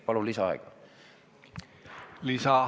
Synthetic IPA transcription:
pɑlulisɑɑ̰ɛɡ̥ɑ | lisɑ

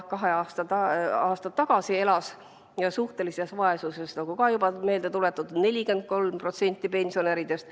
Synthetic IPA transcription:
kɑɦe̞ɑːst̪ɑɑɑːst̪ɑt̪ːɑɡ̥ɑsie̞lɑs | jɑsuht̪e̞lise̞svɑe̞suse̞snɑɡ̥ukɑjubɑme̞ːld̪e̞t̪ule̞t̪ːˑud̪̥ne̞lʲike̞nd̪̚ko̞lmpro̞t̪se̞nʲt̪ːˑipe̞nʲsio̞neɾid̪̥e̞st̪

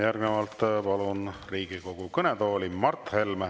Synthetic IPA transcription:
jærɡnevɑlt̪ˑpɑlunriːɡ̥iko̞ɡ̥ukɤnet̪o̞ːlʲimɑrt̪he̞lm

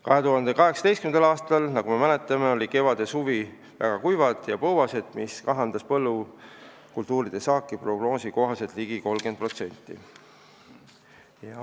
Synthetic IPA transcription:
kɑɦe̞t̪uɦɑnd̪e̞kɑɦe̞ksɑ̥t̪e̞jstkynd̪ɑlɑːst̪ɑlnɑɡ̥ume̞mæne̞t̪ːˑɑme̞o̞lʲike̞vɑd̪̥e̞suvi | væ̰ɡ̥ɑkujvɑd̪̥jɑpɤwvɑse̞d̪̥miskɑɦɑnd̪̥ɑspɤlːu | kult̪ˑuːɾid̪̥e̞sɑːkːˑipro̞ɡ̥no̞ːsiko̞ɦɑse̞t̪liɡiko̞lɡ̥ed̪̥̚pro̞t̪se̞nʲt̪ːˑḭ | jɑ

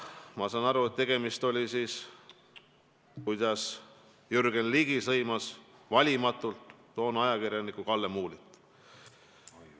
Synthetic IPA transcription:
mɑsɑnɑɾuet̪̚t̪ːe̞ɡ̥e̞mist̪o̞lʲisiːs | kujd̪̥ɑs | jyrɡ̥e̞nliːɡ̥isɤjmɑsvɑlʲimɑt̪ult̪ːo̞ːnɑjɑkirjɑnikukɑlːemuːlit̪ːˑ

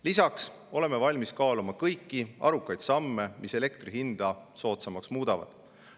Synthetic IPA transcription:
lisɑks | o̞le̞mːe̞vɑlʲmiskɑːlumɑkɤjkːiɑ̰ɾukːˑɑjd̪̥sɑmːe̞mise̞le̞kt̪riɦind̪̥ɑso̞ːt̪sɑmɑksmuːd̪̥ɑvɑ̰d̪̥

